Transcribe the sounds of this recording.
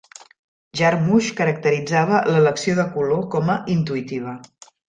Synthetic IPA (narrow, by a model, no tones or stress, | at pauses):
ʒaɾmuʃkəɾək̚t̪əɾid͡zaβ̞ələləksioðəkulokɔməʔint̪uit̪iβ̞ə